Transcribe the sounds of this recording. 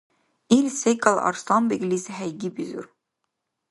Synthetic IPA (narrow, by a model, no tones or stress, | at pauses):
ilʲsekːɑlˠɑ̰ɾst̪ɑmbiɡlisɦæjɡibizṵɾ